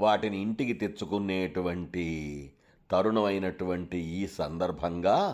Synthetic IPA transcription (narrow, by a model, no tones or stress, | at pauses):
ʋaːʈiniːɳʈikit̪e̞t͡ʃːukunːeːʈuʋɐɳʈi | t̪ɐɾuɳɐmɐjnɐʈuʋɐɳʈiiːsɐnd̪ɐɾbʱɐŋɡaː